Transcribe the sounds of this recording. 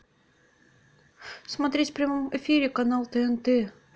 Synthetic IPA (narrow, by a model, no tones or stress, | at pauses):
smɐt̪ɾʲetʲfpɾʲɪmomɪfʲiɾʲɪkanalˠt̪əɛnt̪ɛ